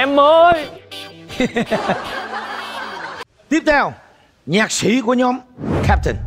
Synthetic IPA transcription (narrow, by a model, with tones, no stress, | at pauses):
ʔɛ˧mːəː˨˧j | t̪i˦˥əp̚t̪ʰɛ˧w | ɲaː˨˩k̚sḭ˧˩ku˧˩əɲɔ˨˦mkʰa˦˥p̚t̪ə̰˨˩n